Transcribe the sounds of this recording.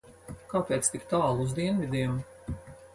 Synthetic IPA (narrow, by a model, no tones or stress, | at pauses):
kaːpeːt̪st̪ikt̪aːlˠuzd̪iɛnvʲid̪ʲiːm